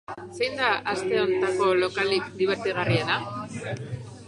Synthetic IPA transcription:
se̞jnd̪aʔast̪e̞o̞nt̪ako̞lo̞kalikd̪iβeɾt̪iɣ̞ariena

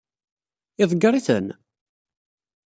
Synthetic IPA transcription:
ɪðˤɡəɾˤiθə̰n

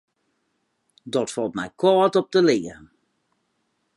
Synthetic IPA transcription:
dɔtfɔlˠtmɛ̰jkʰɔːtɔp̚təlɪːərən

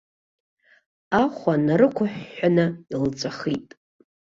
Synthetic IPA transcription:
aχʷanaɾɨkʷʰʊħʷᶣːanɨilt͡sʷʼaχitʼ

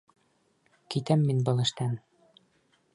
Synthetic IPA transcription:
kit̪æmːinbɤ̆lˠɘ̆ʃt̪æn

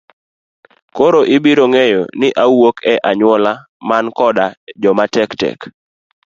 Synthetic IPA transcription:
koɾoʔɪbiɾoŋejo̰nɪʔawokɛʔaɲwɔla | mankɔdad͡ʒɔmatɛktɛ̰k

